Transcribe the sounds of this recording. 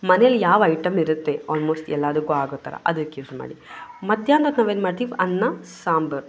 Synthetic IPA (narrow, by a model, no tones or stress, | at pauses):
mɐnejɐljaːʋɐjʈɐmiɾut̪ːeɔːlmoːsʈɛlːaːd̪ɐkːuaːɡoːt̪ːa̰ɾɐ̰ʔɐd̪ɐkːjuːsma̰ːɽimɐd̪ʱjaːnd̪ɐnaːʋeːnmaːɖt̪iːʋɐnːɐsaːmbɐɾ